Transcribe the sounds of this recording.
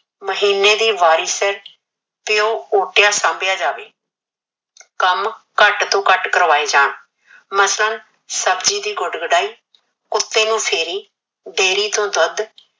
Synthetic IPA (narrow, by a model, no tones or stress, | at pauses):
məɦiːneːd̪iːʋaːɾiːsəɾ | pɪjoːoːʈɪjaːsãːmbɪjaːd͡ʒaːʋeː | kəmkəʈt̪õːkəʈkəɾʋaːiːd͡ʒaːɳ | məslən | səbd͡ʒiːd̪iːɡʊɖɡəɖaːiː | kʊt̪ːeːnũːpʰeːɾiː | ɖeːɾiːt̪õːd̪əd̪